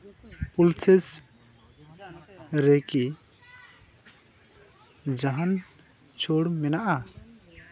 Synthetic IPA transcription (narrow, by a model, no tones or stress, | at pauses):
pulses | ɾeki | d͡ʒaɦan | t͡ʃʰoɽmɛnaʔa